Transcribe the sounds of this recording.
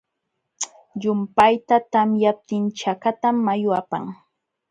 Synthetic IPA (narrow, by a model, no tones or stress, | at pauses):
ʎʊmpajt̪at̪amjap̚t̪ɪnt͡ʃakat̪amːajʊapa̰ŋ